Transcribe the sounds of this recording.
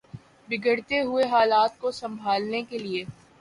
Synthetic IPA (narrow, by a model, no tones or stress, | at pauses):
bɪɡəɽt̪eɦʊeɦaːlaːt̪̚kosɐ̃mbʱaːlnekelieː